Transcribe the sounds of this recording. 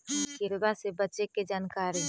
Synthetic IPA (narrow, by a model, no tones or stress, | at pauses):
ɡɪɾbasebətːʃeked͡ʒaːnkaːɾi